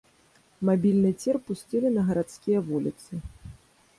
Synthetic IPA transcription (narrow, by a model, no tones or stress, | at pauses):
mabʲilʲnɨt͡sʲɛrpusʲt͡sʲilʲinɐɣɐɾat̪skʲijɐvulʲit̪sɨ